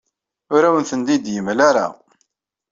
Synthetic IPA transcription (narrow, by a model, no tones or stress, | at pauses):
ʊɾæwənθənd̪id̪jəmlaɾa̰